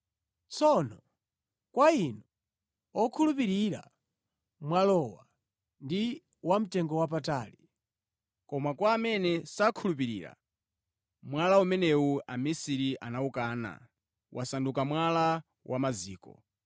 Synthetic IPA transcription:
t͡sʰɔnɔ | kwainɔ | ɔkʰulup̬iɾiɾa̰ | mwalɔwa̰ | ndi | wam̩tɛŋɡɔwap̬ataːli | kɔmakwaːmɛnɛsakʰulup̬iɾḭːɾa̰ | mwalaumɛnɛuʔamisiɾiʔanaukaːna̰ | wʔasandukamwala | wʔamaziːkɔ̰

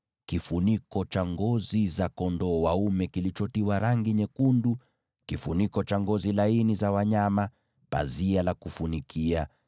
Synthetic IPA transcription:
kifunikɔt͡ʃaŋɡɔzizakɔndɔwaumɛkilit͡ʃɔtiwaɾaŋɡiɲɛkundu | kifunikɔt͡ʃaŋɡɔzilainizawaɲama | pa̰zialakufunikʰia

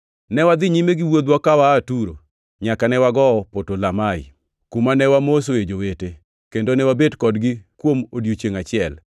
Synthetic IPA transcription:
nɛwad̪ɪɲimeɡɪwod̪wɔkawaːtuɾo̰ | ɲakanɛwaɡɔːpotolamaɪ̰ | kumanɛwamos̬oed͡ʒowete | kendonɛwabedkɔdɡɪkwomodjot͡ʃjeŋat͡ʃɪɛl

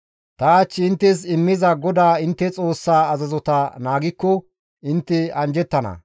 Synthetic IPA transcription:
t̪ɐat͡ʃːɪɪnt̪ːɛs̬ɪmːɪzɐɡɔd̪aːɪnt̪ːɛt͡sʼoːsːaːɐzɐzɔt̪ɐnaːɡɪkːɔ | ɪnt̪ːɛɐnd͡ʒɛt̪ːɐnɐ̰

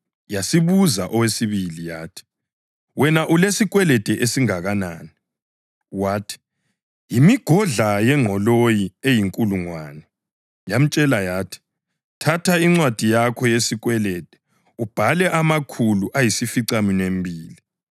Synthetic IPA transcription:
jasiβuzaʔɔwesiβilijaːtʰi̥ | wɛnaʔulesik̬ʼwɛlɛd̥ʱɛʔesiŋaɣana̰ːni | waːtʰi̥ | jimiɡ̥ʱɔɮajɛŋʱɔlojiejiŋkʼuluŋwa̰ːnɛ | jam̩t͡ʃʼɛlajaːtʰi̥ | tʰatʰaiŋ͡ǀwad̥ʱijakʰɔjesikwɛlɛd̥ʱɛ̥ | ub̥ʱalɛʔamakʰuluʔajisifiǀaminembʱiːli

